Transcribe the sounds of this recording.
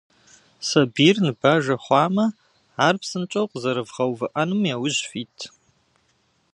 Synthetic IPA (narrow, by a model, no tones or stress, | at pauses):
sɐbiːrnɨbaːʒɐχʷɑːmɐ | aːrpsɨnt͡ʃʼɐwqʷʼzɐɾɨvʁɐwvɨʔɐnɨmjaːwʊʑfiːtʰ